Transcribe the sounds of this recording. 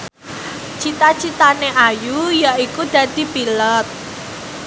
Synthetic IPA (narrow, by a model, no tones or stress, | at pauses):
t͡ʃit̪at͡ʃit̪aneʔajujaikud̪̥ä̤d̪̥i̤pilət̪̚